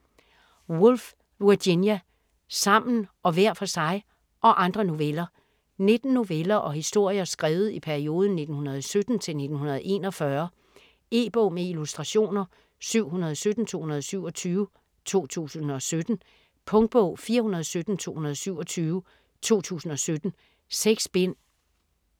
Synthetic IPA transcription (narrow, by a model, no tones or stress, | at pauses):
wulf | ʋuɐd̥injæ | sɑ̈m̰n̩ʔɒ̽ʋæɐ̰fɒ̽sɑ̈ɪ | ʔɒ̽ʔɑ̈nd̥ʁɐno̝ʋelɐ | ne̝d̥n̩ːo̝ʋelɐʔɒ̽hisd̥o̝ɐ̰jɐsɡ̥ʁɛːʊð̞̩ˠipʰæɐio̝ːð̞ˠn̩ne̝d̥n̩hunɐð̞ˠsød̥n̩t͡sʰe̝lne̝d̥n̩ɦunɐð̞̩ˠe̝̰ːnɒ̽fɶɐ | e̝̰ːb̥ɔ̽ʊ̰meilusd̥ʁɑ̈ɕo̝̰ːnɐ | syʊ̰ɦunɐð̞ˠɒsød̥n̩t͡sʰo̝̰ːhunɐð̞ˠsyʊ̰ɒ̽t͡sʰyːʋ | t͡sʰo̝̰ːt͡sʰṵːsn̩ɒ̽sød̥n̩ | pʰɔ̽ŋd̥̚b̥ɔ̰ʊ̰fiːɐhunɐðˠɒsød̥n̩t͡sʰo̝ːhunɐðˠɒsyʊ̰ɒ̽t͡sʰyːʋ | t͡sʰo̝̰ːt͡sʰṵːsn̩ɒ̽sød̥n̩ | seɡ̥sb̥en̰